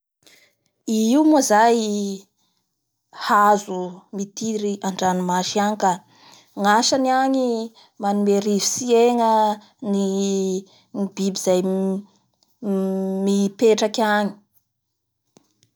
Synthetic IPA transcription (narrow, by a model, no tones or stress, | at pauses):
iiwmuazaj | hazumit̪iɾiaɳɖ͡ʐanumaʃiaŋika | ŋaʃaniaŋi | manumeɾivisieŋə | ni | ŋibibiz̥aj | mipeʈ͡ʂakaɲi̥